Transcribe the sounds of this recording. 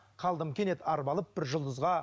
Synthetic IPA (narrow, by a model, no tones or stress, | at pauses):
qʰɑlˠd̪əmkʲe̞net̪ʰɑɾbɑlˠəp̚bɪɾʒʊlˠd̪əzʁɑ